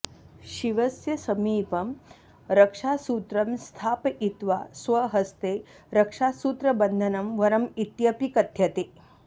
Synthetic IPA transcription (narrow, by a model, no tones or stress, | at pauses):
ʃiʋɐsjɐsɐmiːpɐm | ɾɐkʂaːsuːt̪ɾɐmst̪ʰaːpɐit̪ʋaːsʋɐɦɐst̪eː | ɾɐkʂaːsuːt̪ɾɐbɐnd̪ʱɐnɐmʋɐɾɐmit̪jɐpikɐt̪jɐt̪eː